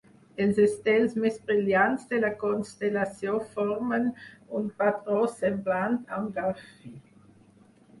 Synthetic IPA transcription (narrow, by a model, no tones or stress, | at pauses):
ɛlzɛstɛlsmɛsb̥ʁiljantsd̥̪elakɔnstelasjõfɔʁmənʊntpatʁɔsɛmblantãmɡafi